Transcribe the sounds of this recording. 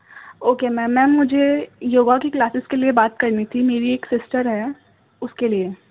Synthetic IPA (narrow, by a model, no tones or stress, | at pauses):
oːkemɛ̃ːmɛ̃ːmʊd͡ʒʱejoːɡakiklaːsɪskeliebaːt̪kɐɾnit̪ʰimeːɾieːksɪsʈəɾɦɛː | ʊskelie